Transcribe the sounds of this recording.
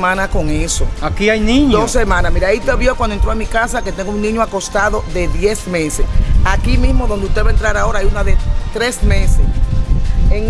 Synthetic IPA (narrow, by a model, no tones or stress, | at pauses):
mãnakoŋesoakiajnĩɲd̪osemãnasmiɾait̪eβjokwand̪oent̪ɾoamikasake̞t̪eŋɡounnĩɲoako̞st̪aðo̞ðe̞ðje̞smẽsesakimĩsmoðond̪ust̪eβaent̪ɾaɾao̞ɾaajunaðet̪ɾesmesḛs | eŋ